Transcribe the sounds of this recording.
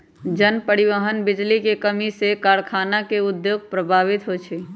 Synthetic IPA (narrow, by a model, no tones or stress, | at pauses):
d͡ʒənpəɾiʋəɦənbɪd͡ʒlikekəmisekaːɾkʰaːnakeʊd̪joːɡ̚pɾəbʱaːʋit̪ɦot͡ʃʰe